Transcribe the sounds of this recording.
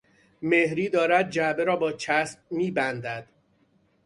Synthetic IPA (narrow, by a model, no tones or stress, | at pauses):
mehɾiːd̪ɒːɾæd̪̚d͡ʒæʔbe̞ɾɒːbɒːt͡ʃʰæsb̥̚miːbænd̪æd̪̥